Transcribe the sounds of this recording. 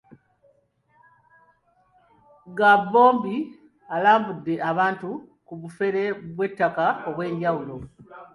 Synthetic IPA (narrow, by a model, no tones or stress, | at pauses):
ɡabːo̞ːmbi | alaːmbudːe̞ʔaβaːntukuβufe̞ɾe̞βwe̞tːakaoβwe̞ːɲɟawulo̞